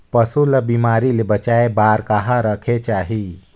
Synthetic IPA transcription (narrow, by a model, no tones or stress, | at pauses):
pəsuləbimaːɾilebət͡ʃaːebaːɾkaɦaɾəkʰet͡ʃaːɦi